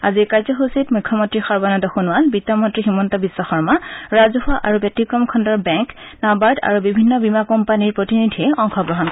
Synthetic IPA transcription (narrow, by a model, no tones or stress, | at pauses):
a̰zikaɹzɔɦositmukʰːɔmɔntɹixɔɹbanɔdɔxunwalbitɔmɔntɹiximɔntɔbisːɔxɔɹmaɹazɔɦaʔaɹubjɔtikɹɔmkʰɔndɔɹbɛŋknabaɹda̰ɹubibʱinːɔbimakɔmpaniɹpɹɔtinidʱiɛʔɔŋxɔɡɹɔɦɔnkɔ